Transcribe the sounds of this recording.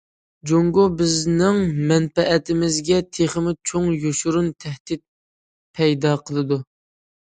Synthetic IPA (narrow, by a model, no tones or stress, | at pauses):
d͡ʒoŋɡobɪznɪŋmɛnfɛʔːt̪ʰɪmɪzɡʲɛt̪ʰeχəmɪt͡ʃʰoŋjoʃuɾunt̪ʰɛhd̪ɪt̪̚ | pʰɛjd̪ɑqʰəlˠɨd̪u